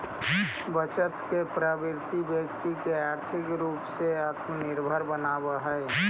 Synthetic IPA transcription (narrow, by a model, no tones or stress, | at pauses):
bət͡ʃət̪kepɾaːbɪɾt̪ibjəkt̪ikeaːɾt̪ʰɪkɾuːpseaːt̪mənɪɾbʱəɾbənabəɦəe